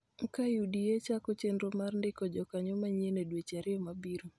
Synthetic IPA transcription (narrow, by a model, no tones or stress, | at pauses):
ŋ̩kajudijet͡ʃakɔt͡ʃenɾomarndɪkɔd͡ʒɔkaɲɔmaɲenedwet͡ʃaɾɪɔmabiɾu